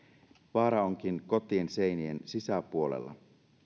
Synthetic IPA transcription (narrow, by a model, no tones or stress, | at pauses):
ʋɑːɾɑo̞ŋkinko̞t̪iense̞jnie̞nsisæpuo̞lḛlːɑ̰